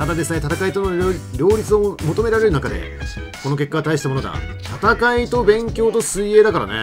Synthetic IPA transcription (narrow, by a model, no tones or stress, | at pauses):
t̪ad̪ad̪e̞sɨne̞t̪at̪akait̪onoɾʲo̞ːɾʲit͡sɨo̞mo̞t̪o̞me̞ɾaɾe̞ɾɯ̟nakad̪e̞̰ | ko̞no̞ke̞kːaɡt̪aiɕi̥t̪amo̞no̞ɡ̪a̰ | t̪at̪akait̪o̞bẽ̞ŋkʲo̞ːt̪o̞sɨie̞ːd̪akaɾa̰ne̞̰